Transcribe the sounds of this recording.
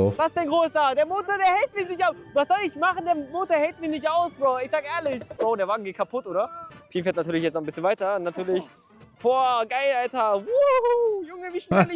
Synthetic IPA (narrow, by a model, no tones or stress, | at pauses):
vassd̥anɡʁoːsdad̥eːɐmʊtɐdeːɐhɛlt̚mɪçnɪçtavasz̥ɔlɪçmaχn̩deːɐmʊtɐhɛlt̚mɪçnɪçtaʊsoɪçz̥aːkɛːɐlɪçoːdeːɐvaːɡŋ̩ɡeːt̚kʰapʰʊtʔoːdɐfʰiːmfeːɐtnatʰyːɐlɪçjɛtt͡stnaʊn̩bɪsçənvaɪtɐnatʰyːɐlɪç | pʰoːɐɡaɪlaltɐvujʊŋəviːʃnlɪ